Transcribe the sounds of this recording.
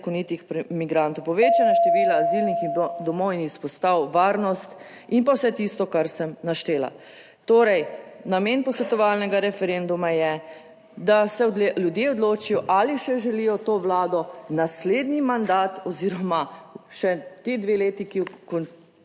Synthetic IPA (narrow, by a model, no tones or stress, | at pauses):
kɔnit̪ixpmiɡɾant̪ɔwpɔʋeːt͡ʃanaʃt̪ɛʋiːlaːzilnixid̪ɔmɔwinispɔst̪awʋaːɾnɔst̪ | inpawsɛt̪ist̪ɔkaɾsɛmnaʃt̪eːla̰ | t̪oːɾɛjnameːnpɔsʋɛt̪ɔʋalnɛɡaɾɛfɛɾend̪umajɛ | d̪asɛljud̪jeɔd̪loːt͡ʃijɔʔaliʃɛʒɛlijɔt̪oːʋlaːd̪ɔnasleːd̪nimand̪aːt̪ɔziɾɔmaʃɛt̪ed̪ʋeleːt̪ikikɔn